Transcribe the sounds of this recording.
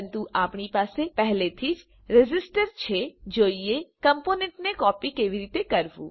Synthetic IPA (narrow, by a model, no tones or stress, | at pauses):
nt̪uʔaːpɳipaːsepɛɦlet̪ʰiːd͡ʒ | ɾed͡ʒɪsʈəɾt͡ʃʰed͡ʒoːiekəmpoːnẽɳʈnekɔːpikeːʋiɾiːt̪ekəɾʋṵ̃ː